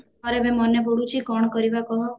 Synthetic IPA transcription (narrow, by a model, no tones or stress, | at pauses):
ɔɾememɔneboɽut͡ʃʰikɔɳ̃kɔɾibakɔɦɔ